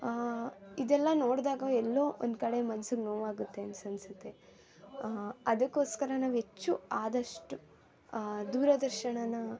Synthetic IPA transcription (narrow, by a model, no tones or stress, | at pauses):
id̪ɛlːɐno̞ːɽd̪aːɡɐɛlːo̞ːʔond̪kɐɽe̞mɐnɐsuɡnoːʋaːɡut̪ːe̞ɐnsɐnsɐt̪ːe̞ | ɐd̪ɐkːo̞ːskɐɾɐnaːʋɦet͡ʃːuaːd̪ɐʂʈu | d̪uːɾɐd̪ɐɾʃɐɳɐnɐ